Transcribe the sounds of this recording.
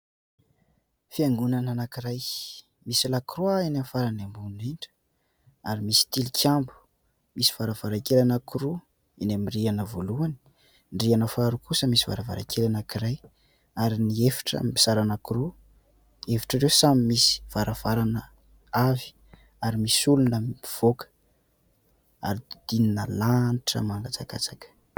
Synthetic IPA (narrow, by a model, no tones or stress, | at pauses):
fiaŋɡunananakiɾaj | misilakɾuainamfaɾanambuniɳɖ͡ʐə̥ | aɾimisi̥t̪ilikʲʰjambu̥ | misi̥v̥aɾəv̥aɾakelanəkuɾu | inamirianəvoluani̥ | nɖ͡ʐianəfaɾukusəmisi̥va̰ɾava̰ɾa̰kʰelanakiɾaj | aɾiniefi̥ʈ͡ʂə̰misaɾanəkuɾu | efi̥ʈ͡ʂaɾewsamimisi̥v̥aɾʔav̥aɾanə | avi̥ | aɾimisulunəiv̥okə̥ | a̰ɾid̪̥ininəlaniʈ͡ʂə̰maŋɡat͡saka̰t͡sakə̥